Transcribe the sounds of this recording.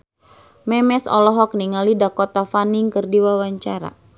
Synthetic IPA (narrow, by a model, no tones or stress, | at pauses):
mɛmɛsɔ̰lɔɦɔk̚niŋalidakɔt̪afaniŋkɨrdiwawaɲt͡ʃaɾa̰